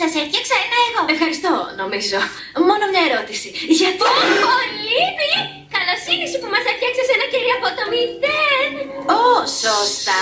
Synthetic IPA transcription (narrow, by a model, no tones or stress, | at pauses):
sɐseftçɐksɐenɐeɣo̞efxɐɾist̪ono̞mizo̞ | mo̞nomɲɐeɾo̞t̪isiʝɐt̪opolivi | kɐlosinisipumɐseɾçɐksɐsenɐciɾiɐpot̪omit̪en | osost̪ɐ